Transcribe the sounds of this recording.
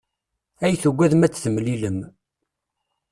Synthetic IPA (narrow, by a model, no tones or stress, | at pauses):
æjθəɡʷːæðmæt͡sːθəmliləm